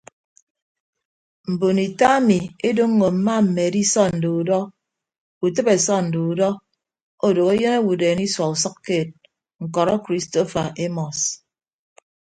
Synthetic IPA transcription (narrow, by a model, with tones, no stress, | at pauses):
m̩˨bo˨ni˨ta˦a˦mi˨e˦do˦ŋːo˨m̩˨ma˦m̩˨me˨di˦sɔ˦n̩˨do˨u˨dɔ˦ | u˨tɨ˦be˨sɔ˦n̩˨du˨u˨dɔ˦ | o˦do˨ke˦je˦ne˦wu˨deː˨ni˦swɔ˨u˨sɔ˦kːeː˦˨t̚ | ŋ̩˨kɔ˨ɾɔ˦kɾi˦sto˦fa˨ʔe˦mɔ˨s